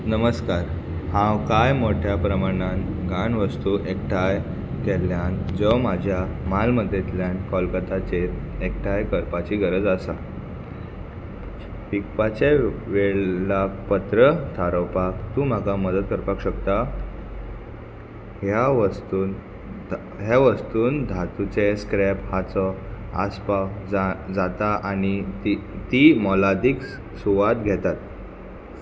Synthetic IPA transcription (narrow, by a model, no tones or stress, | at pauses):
nəməskaɾ | hãwkajmoʈʰjapɾəmaɽ̃an | ɡaɳʋəst̪uʔekʈʰaj | k̪eljand͡zəwmad͡ʑʱjamalməd̪ʱet̪ljankɔlkət̪at͡ɕeekʈʰajkəɾpat͡ɕiːɡəɾəd͡zəsa | pik̚pat͡ɕeʋeɭlapət̪ɾət̪ʰaɾəwpakt̪ũːm̤akaməd̪ət̪̚kəɾpakɕəkt̪a | ɦjaʋət̪uːn | ɦjaʋəst̪uːnd̪ʱat̪ut͡seskɾɛphat͡sɔa̰spad͡zat̪aʔaɽ̃it̪it̪imɔlad̪iːk | suʋat̪ɡʱɛt̪at̪